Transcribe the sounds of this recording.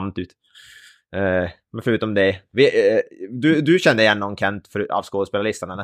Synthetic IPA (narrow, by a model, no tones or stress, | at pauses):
mt̪ʉːt̪ | mɛnfœɾʉ̟ːt̪ɔmd̪ɛvɪ | d̪ɵd̪ɵɕɛnd̪əɪjɛnːɔŋkʰɛnt̪fœɾa̰vskoːd̪əspeːlalɪst̪əɳanɛ